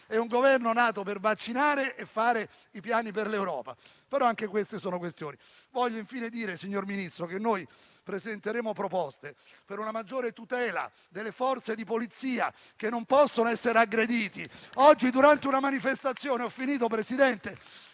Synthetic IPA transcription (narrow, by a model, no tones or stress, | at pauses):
ɛuŋɡovɛrnonaːt̪opervat͡ʃːinaːɾeʔefːaːɾe | ipjaːniperlewɾɔ̰ːpa̰ | peɾɔaŋkekwest̪esoːnokwest̪joːni | vɔʎːoiɱfiːned̪iːɾesiɲːorminist̪ɾokenːoj | pɾezent̪eɾeːmopɾopɔst̪epeɾunamad͡ʒːoːɾet̪ut̪ɛːla̰ | d̪elːefɔrt̪sed̪ipolit̪sːiːa̰ | k̟enːompɔsːonoɛsːeɾeaɡɾed̪iːt̪iɔd͡ʒːid̪uɾant̪eunamanifest̪at̪sːjoːneɔfːiniːt̪̬op̬ɾesid̪ɛnt̪e